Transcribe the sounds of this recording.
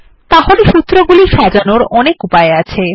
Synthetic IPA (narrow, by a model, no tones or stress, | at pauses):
t̪aɦoleʃut̪ːɾoɡuliʃad͡ʑanoɾɔnekupaeat͡ɕʰe